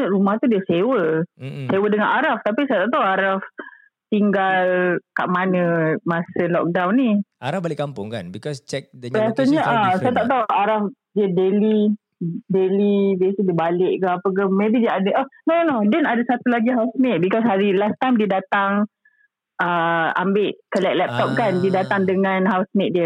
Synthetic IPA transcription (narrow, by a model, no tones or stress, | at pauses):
əɾumaht̪udiəsewəsewədəŋanʔaɾaft̪apisajt̪aʔt̪awaɾaf | t̪iŋɡalka̰ʔmanəmasəlɔ̰k̚dawnːiaɾafbalɪʔkːampʊŋkanbikɔst͡ʃɛk̚dbiasaɲəʔasajat̪aʔt̪awaɾaf | diədeli | delibesədibalɪʔkaapəkamebidiəadaʔɔnonodɛnadasat̪ulaɡiɦawsnet̪̚bikɔs̬ɦaɾilast̪amdiədat̪aŋ | ʔəa̰mbɪʔkəlɛʔ̚lɛp̚t̪ɔp̚kandidat̪aŋdəŋãnɦawsnet̪̚diə